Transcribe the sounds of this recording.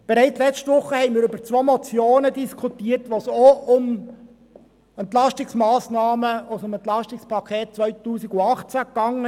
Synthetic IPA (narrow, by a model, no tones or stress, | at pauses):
b̥ɛɾɛɪt͡slɛt͡stʋʊχːəhɛɪnmiːɾʏb̥əɾt͡sʋomot͡sjoːnədiskʰutiːərtʋoːsoʊm | ɛnt̪lɑʃtɪksmɑːsnɑːməosʊmɛnt̪lɑʃtɪkspʰɑkʰeːt̚t͡sʋœʏtuːsiɡʊɑχt͡sækːɑŋ